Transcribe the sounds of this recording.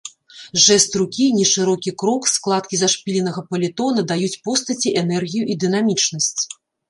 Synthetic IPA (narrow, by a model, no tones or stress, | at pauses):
ʐɛst̪ɾukʲinʲiʂɨɾɔkʲikɾɔksklˠat̪̚kʲizaʂpʲilʲɛnɐɣɐpɐlʲit̪ɔn̪ɐd̪ajut͡sʲpɔst̪ɐt͡sʲiʔɛnɛrɣʲijuʔid̪ɨnamʲit͡ʂnɐsʲt͡sʲ